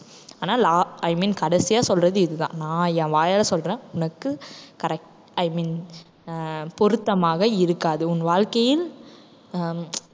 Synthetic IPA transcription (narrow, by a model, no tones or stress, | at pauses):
aːnaːlaːɐɪmiːnkɐɽɛsɪjaːsɔlrɐðɯɪðɯðã̰ːnãːjɛ̃ːʋaːjalɐsɔlrẽːʊnɐkːɯkɐɾɛk̚ʈ | ɐɪmiːn | pɔɾɯt̪ːɐmaːɣɐɪɾɯkːaːðɯʊnʋaːɻkɐjɪl